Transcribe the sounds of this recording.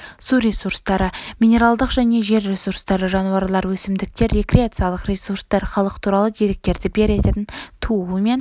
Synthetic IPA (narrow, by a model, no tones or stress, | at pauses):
suɾʲe̞suɾst̪ɑɾəmʲijnʲe̞ɾalˠd̪əqʒæne̞ʒe̞ɾɾe̞suɾst̪ɑɾəʒɑnuwɑɾlˠɑɾwɵsɪmd̪ɪk̚t̪e̞ɾːe̞kɾʲeat̪sɨjalˠəqrʲe̞suɾst̪ɑɾχɑlˠəqt̪ʰuɾɑlˠəd̪e̞ɾe̞k̚t̪e̞ɾd̪ɪbe̞ɾe̞t̪et̪ɪnt̪ʰuəəme̞n